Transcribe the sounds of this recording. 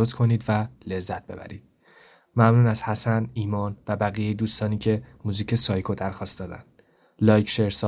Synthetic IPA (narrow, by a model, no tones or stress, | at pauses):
ot̪kʰo̞niːd̪væle̞zːæt̪̚ʰb̥e̞bæ̰ɾḭːd̪̥ | mæmnuːnæshæsæniːmɒːnvæbæɣiːjejed̪uːst̪ɒːniːcʰe̞muːziːcʰe̞sɒːjkʰod̪æɾxɒːst̪d̪ɒːd̪æ̰nd̪̥ | lɒːjcʃeɾsɒ